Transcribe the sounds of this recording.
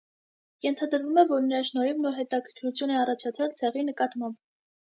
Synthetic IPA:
jɛnt̪ʰɑd̪əɾvumɛvɔɾnəɾɑʃnɔjumnɔɾɦɛt̪ɑkʰəɾkʰɾut͡sʰjunɛɑrɑt͡ʃʰɑt͡sʰɑlt͡sʰɛʁinəkɑt̪mɑmb

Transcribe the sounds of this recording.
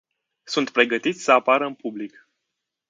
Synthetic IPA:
sunt̪̚pɾe̞ɡət̪it̪sʲsəapaɾəɨnpublik

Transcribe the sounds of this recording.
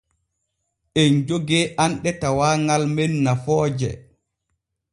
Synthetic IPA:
ʔɛnd͡ʒoɡɛʔanɗɛtawaːŋalmenːafɔːd͡ʒɛ̰

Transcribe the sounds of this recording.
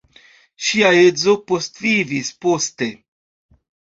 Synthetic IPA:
ʃiaezo̞po̞stvivispo̞ste̞

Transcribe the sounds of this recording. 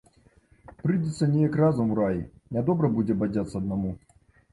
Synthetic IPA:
pɾɨdʲɪt̪sɐnʲɪjɐkrazʊmɾajɪnʲɐd̪ɔbɾɐbudʲɛbɐdʲat̪sːɐɐd̪nɐmu

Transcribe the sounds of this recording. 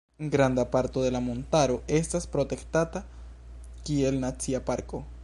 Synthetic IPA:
eŋɡɾand̪apaɾt̪oðelamont̪aɾoest̪aspɾot̪ekt̪at̪a | kielnat͡siapaɾko

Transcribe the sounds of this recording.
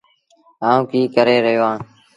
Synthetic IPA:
aːũːkiːkəɾeːɾəɦijoːãː

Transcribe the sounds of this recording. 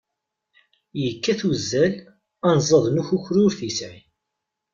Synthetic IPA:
jəkːæθwəzːæl | ænzˤəðˤnuçuçɾʊɾθisʕi

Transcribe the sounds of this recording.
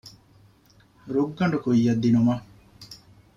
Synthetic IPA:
ɾuɡːɐɳɖukujːɐd̪ːinumɐ

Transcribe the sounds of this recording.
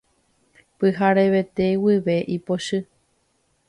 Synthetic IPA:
pɨɦaɾe̞ʋe̞t̪e̞wiʋe̞ʔipoʃɨ

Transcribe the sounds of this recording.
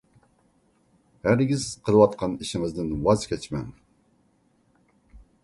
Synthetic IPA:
hæɾɡʲiz̥qʰəlˠɨwɑt̪qʰɑniʃɪŋɨzd̪ɨnwɑzkʲʰɛt͡ʃmɛ̰ŋ

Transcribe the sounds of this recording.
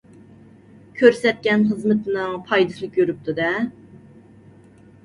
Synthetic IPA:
kʲʰøɾsɛt̪̚kʲɛnɦəzmɨt̪ʰɨnɨŋpʰɑjd̪ɨslˠɨkʲjøɾyp̚t̪ʰud̪ɛ

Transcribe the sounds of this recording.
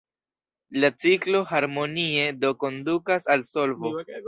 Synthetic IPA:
lat͡siklo̞haɾmo̞nie̞do̞ko̞ndukasalso̞lvo̞

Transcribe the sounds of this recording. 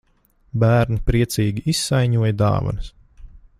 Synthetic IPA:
bæːɾnipɾiɛt̪siːɡʲiisːajɲuɔjad̪ɑ̰ːvɐ̰nɐs

